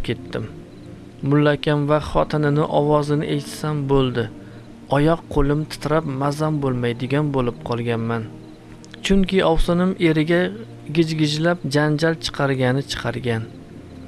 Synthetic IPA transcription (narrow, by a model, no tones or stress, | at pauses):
p̚kʲe̞t̪ʰːɪmː | ʊlːakʲʰamvaχɒt̪ʰɪnɪnɪʔɒwɒzɪnɪʔejt̪ʰɪ̥sambolˠd̪ɪ | ɒjɒqqʰːolˠɪmt̪ʰɪ̥t̪ʰɾapmazambolˠmajd̪ɪɡʲanbolɪp̚qʰɒlˠɡʲanman | t͡ʃʰʊŋkʲʰɪʔɒwsɨnɪmʔe̞ɾɪɡʲa | ɡʲɪd͡ʒɡʲɪd͡ʒlap̚d͡ʒand͡ʒalt͡ʃʰɨ̥qʰɑɾɡʲanɪt͡ʃʰɨ̥qʰɑɾɡʲan